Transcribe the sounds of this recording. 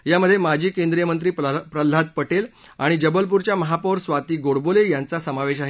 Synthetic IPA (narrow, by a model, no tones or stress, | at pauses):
jaməd̪ʱːjemad͡ʑʱiːkẽnd̪ɾijəmənt̪ɾiːpɾəl̤ːad̪̚pəʈel | aɽ̃id͡ʑəbəlp̬uɾt͡ɕjaməɦapoɾsʋat̪iːɡoɽbolejant͡sasəmaʋeɕaɦe